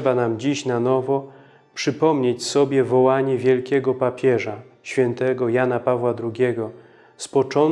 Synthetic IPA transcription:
banamd͡ʑiɕnanɔvɔ | pʂɘpɔmɲet͡ɕsɔbʲjɛvɔwaɲɛvʲjɛlkʲɛɡɔpapʲjɛʐa | ɕfʲjɛnt̪ɛɡɔjanapavwad̪ɾuɡʲɛɡɔ | spɔt͡ʂɔn

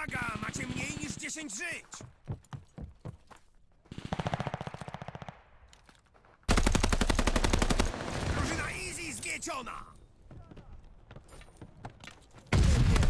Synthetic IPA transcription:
aɡama̰t͡ɕɛmɲejɲiʐd͡ʑɛɕeɲd͡ʑʐɪt͡ɕ | ɡ̪ɾɔʐɨnaʔizʲizɡʲjɛt͡ɕɔna̰

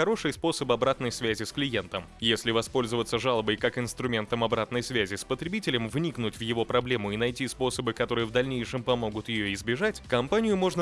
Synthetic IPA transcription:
ɐɾo̞ʂɨjspo̞səbɐbɾat̪nəjsvʲæzʲɪsklʲɪjent̪əmjesʲlʲɪvɐspo̞lʲzəvət̪sːəʐalˠəbəjkakɪnst̪ɾʊmʲe̞nt̪əmɐbɾat̪nəjsvʲæzʲɪspət̪ɾʲɪbʲitʲɪlʲɪmvnʲiknutʲvjɪvo̞pɾɐblʲe̞mʊɪnɐjtʲispo̞səbɨkɐt̪o̞ɾɨjəvd̪ɐlʲnʲejʂɨmpɐmo̞ɡʊt̪jɪjo̞ɪzbʲɪʐatʲkɐmpanʲɪjʊmo̞ʐnə

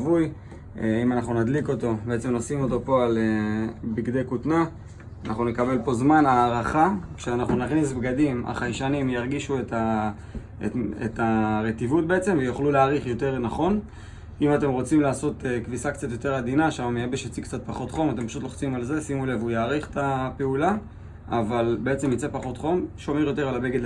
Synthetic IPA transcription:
vuj | eimanaχnunad̪liko̞t̪o̞beet͡se̞mnosimo̞t̪o̞po̞alebiɡd̪e̞jkut̪na | anaχnune̞kabe̞lpo̞zmanaːʁaχakʃeanaχnunaχnis̬bɡadima̰χajʃanimjaʁɡiʃuetʰa | ḛḛtaʁet̪ivut̚be̞et͡se̞mvejoχluleaʁiχjo̞te̞ʁnaχo̞n | imate̞mʁo̞t͡simlaːso̞t̪ekvisakt͡sat̪jo̞t̪e̞ʁad̪inaʃamameebeʃat͡sikt͡sat̪̚paχo̞t̪χo̞mat̪e̞mpaʃutloχt͡simalze̞simulevujaːʁiχt̪apeula | avalbe̞et͡se̞mjit͡se̞paχo̞t̪χo̞mʃo̞me̞ʁjot̪̬e̞ʁalabeɡedl

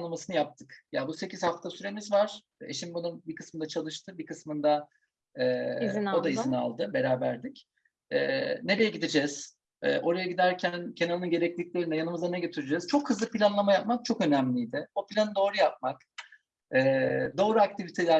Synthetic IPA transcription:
lˠamasɯnɯjap̚t̪ʰɯkjabuse̞ciz̥haft̪ʰasyɾe̞mizvaɾ̥ | e̞̰ʃimbunumbikʰɯ̥smɯnd̪at͡ʃʰalˠɯʃt̪ʰɯbikɯsmɯnd̪a | ɛod̪aizina̰lˠd̪ɯbe̞ɾaːbæɾd̪ic | ɛ̰ːne̞ɾe̞jɛɟid̪id͡ʒɛz̥ | ɛ̰ːʔo̞ɾajaɟid̪æɾcʰæncʰe̞naɾnɯnɟe̞ɾɛclʲiclʲeɾinɛjanɯmɯzanɛɟøt̪ʰyɾed͡ʒɛz̥t͡ʃʰo̞khɯzlˠɯpʰilʲanlˠamajap̚mak̚t͡ʃʰo̞kø̞næmlʲijd̪ɪbopʰilʲanɯd̪o̞ːɾujap̚mak | ɛːd̪o̞ːɾuak̚t̪ivit̪ʰelʲæ

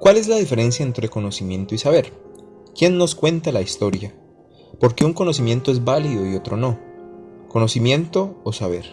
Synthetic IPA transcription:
kwale̞zlaðife̞ɾe̞nsjae̞nt̪ɾe̞ko̞no̞simjẽ̞nt̪oisaβe̞ɾ | kje̞nːo̞skwe̞nt̪alaist̪o̞ɾja | po̞ɾke̞uŋko̞no̞simje̞nt̪o̞ezbaliðo̞io̞t̪ɾo̞no | kono̞simje̞nt̪o̞ːsaβ̞e̞ɾ

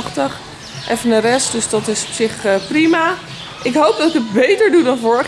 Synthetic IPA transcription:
χtəχ | ʔɛfənərɛst̚dɵsdɑtɪsɔ̥psɪχprima | ʔɪkɦowp̚dɑtɪkət̚bejtəɹdudɑnvɔɹəχ

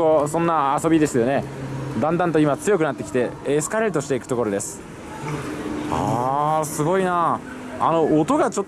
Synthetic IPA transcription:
osõ̞nːaːso̞bʲid̪e̞sɨjo̞ne̞d̪ãnd̪ãnt̪o̞imat͡sɨjo̞kɯ̟nat̪ːekʲi̥t̪e̞esɨ̥kaɾeɾɯt̪o̞ɕi̥t̪e̞ikɯ̟t̪o̞ko̞ɾo̞d̪e̞sɨ̥ | asɨɡo̞ina | ano̞ːt̪o̞ɡat͡ɕot̪ː

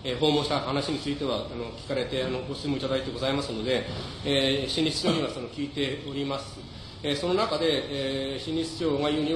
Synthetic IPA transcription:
eɦo̞ːmõ̞ɕi̥t̪ahanaɕiɲ̟it͡sɨit̪e̞βaano̞kʲi̥kaɾe̞t̪e̞ano̞ɡo̞sɨmoit̪ad̪ait̪e̞ɡo̞zaimasɨno̞d̪e̞eːɕĩɲʲisɨ̥t͡ɕʲo̞ːɲ̟iβasono̞kʲiːt̪e̞o̞ɾʲimasɨ | eso̞no̞nakad̪e̞ɕiɲʲisɨ̥t͡ɕʲo̞ːŋajɯːɲ̟i

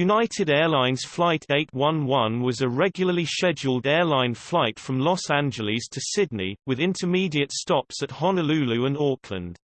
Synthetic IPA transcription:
jʉnaɪtʰɪdɛːlãɪ̃nz̥flaɪtʰeɪʔwʌ̃nwʌ̃nwɒzəɹɛɡjl̩ˠəliʃɛd͡ʒəlˠdɛːlãɪ̃nflaɪtfɹə̃mlɒsæ̃nd͡ʒəlɪz̥tʰəsɪdⁿnḭwɪðɪ̃ntʰəmiːdiətstɒpsəthɑnəlʉːlʉə̃nɔˑkʰlə̰̃nd̥

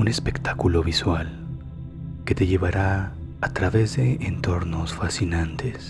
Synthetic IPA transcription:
une̞spe̞kt̪akulo̞βiswal | ke̞t̪e̞ʝe̞βaɾa | at̪ɾaβezðe̞ʔent̪o̞ɾno̞sfasinãnt̪e̞s

